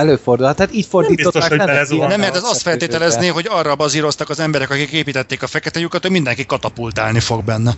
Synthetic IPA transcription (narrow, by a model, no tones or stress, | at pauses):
ɛløːford̪ulht̪hat̪iːcford̪iːtbiot̪oʃɛznɛmːɛrt̪ɛzɒst̪fɛlt̪eːt̪ɛlɛzneːɦo̞ɟɒrːɒbɒziɾo̞st̪ɒkɒzɛmbɛɾɛkɒkikeːpiːt̪ɛt̪ːeːkɒfɛkɛt̪ɛjukɒt̪hoɟmind̪ɛŋkikːɒt̪ɒpult̪aːlnifo̞ɡ̚bɛnːɛ